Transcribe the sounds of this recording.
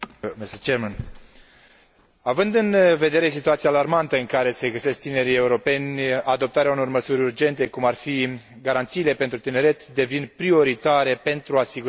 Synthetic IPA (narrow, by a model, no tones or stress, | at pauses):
misət͡ʃeɾman | avɨnd̪ɨnve̞d̪e̞ɾe̞sit̪uat̪siaːlarmant̪əɨŋkaɾe̞se̞ɡəse̞sk̚t̪ine̞ɾie̞uɾo̞pe̞nʲad̪o̞p̚t̪aɾeauno̞rməsuɾʲurd͡ʒe̞nt̪e̞kumarfi | ɡaɾant̪siːle̞pe̞nt̪ɾut̪ine̞ɾe̞t̪d̪e̞vinpɾio̞ɾit̪aɾe̞pe̞nt̪ɾuasiɡu